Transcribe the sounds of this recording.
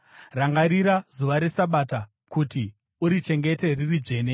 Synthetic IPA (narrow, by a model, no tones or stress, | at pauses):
raŋɡaɾiɾazuʋaɾe̞saɓaːta | kuti | uɾit͡ʃe̞ŋɡe̞te̞ririd͡ʐe̞ːne